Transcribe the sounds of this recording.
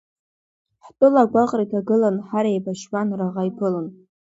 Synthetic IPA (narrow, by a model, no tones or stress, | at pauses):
ħtʼʊlaɡʷaqʼritʰaɡɨlanħaɾaebaʃwanraʁajpʰɨlan